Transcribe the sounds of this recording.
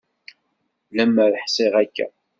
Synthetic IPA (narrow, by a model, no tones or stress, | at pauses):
læmːæɾəħsˤeʁækːæ̰